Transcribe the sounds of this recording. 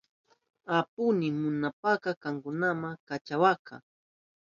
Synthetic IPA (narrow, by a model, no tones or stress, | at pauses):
apʊnɪmʊnapakakaŋkʊnamaŋkat͡ʃawaka̰